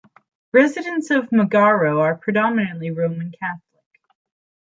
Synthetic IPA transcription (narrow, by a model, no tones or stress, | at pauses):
ɹɛzɨɾɨ̃ntsʌvməɡɑɹoʊə˞pʰɹ̥ɨdɑmɨnɨ̃nʔliɹõʊ̃mɨ̃nkʰæθlɪk̚